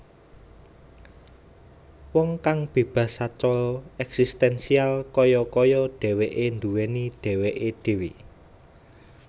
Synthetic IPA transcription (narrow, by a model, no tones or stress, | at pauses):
wɔŋkaŋb̥e̤b̥ä̤sat͡ʃɔlɔɛksist̪ɛnsialkɔjɔkɔjɔɖ̥ɛ̤weʔend̪uwenid̪̥ɛ̤weʔed̪̥e̤wi